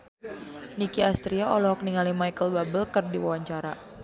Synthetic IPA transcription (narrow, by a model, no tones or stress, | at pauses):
nikiast̪ɾiaɔlɔɦɔk̚niŋalimajkəlbabəlkərdiwawaɲt͡ʃaɾa